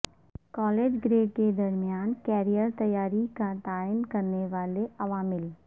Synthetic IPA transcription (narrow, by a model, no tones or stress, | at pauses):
kɔːleːd͡ʒɡɾeːʈ̚ked̪ɐɾmjaːnkɛːɾijəɾt̪ɐjaːɾikat̪aːənkɐɾneʋaːleʔɐʋaːmɪl